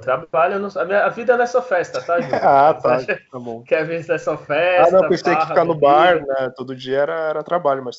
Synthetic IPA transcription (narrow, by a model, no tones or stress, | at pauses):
t̪ɾabaʎɐnʊsɐmĩɲɐːvid̪ɐɛnɛsɔɐfɛst̪ɐt̪aʒiat̪at̪abõw̃kɛvisd̪ɛsɔfɛãnɐ̃wɐpẽsejɐkɪfkanʊbaɾnɛt̪od̪ʊd͡ʒiɐɛɾɐɛɾɐt̪ɾabaʎʊmɐs